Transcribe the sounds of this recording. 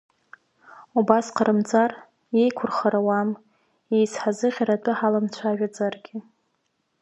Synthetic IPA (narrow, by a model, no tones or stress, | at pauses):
ubasqʰəɾɨmd͡zar | je̞jkʷʰʊrχaɾawam | ejsħazɨʁʲaɾatʼɨħalamt͡ɕʷʰaʒᶣad͡zarɡʲɪ